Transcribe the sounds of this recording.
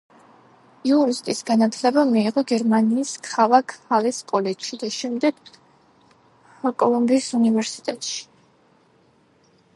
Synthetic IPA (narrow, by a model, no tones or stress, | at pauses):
iuɾist̪ʼisɡanat̪ʰlɛbamiːʁɔɡɛɾmaniːskʰalakʰhaliskʼɔlɛʃid̪aʃɛmd̪ɛɡ̥ | kʼɔlˠɔmbiːsunivɛɾsi̥t̪ʼɛt̪ʼʃi̥